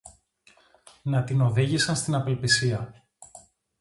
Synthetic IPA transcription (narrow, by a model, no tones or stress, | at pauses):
nɐt̪ino̞ðiʝisɐnst̪inɐpelpisiɐ